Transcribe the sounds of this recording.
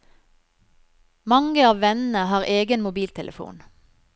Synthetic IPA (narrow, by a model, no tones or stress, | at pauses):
mɑŋəɑːʋʋɛnn̩əhɑːʁʔeːɡənmʊbiːlt̪ʰɛləfṵːn